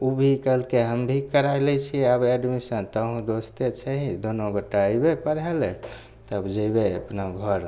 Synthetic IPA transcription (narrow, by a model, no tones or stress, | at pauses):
ubʱikəlkeɦəmbʱikəɾajlɛt͡ʃʰiəbeɖmisə̃t̪əɦũd̪ost̪et͡ʃʰəɦĩd̪onoɡəʈːaəjbepəɾɦɛlɛ | t̪əbd͡ʒəjbeəpnaɡʱəɾ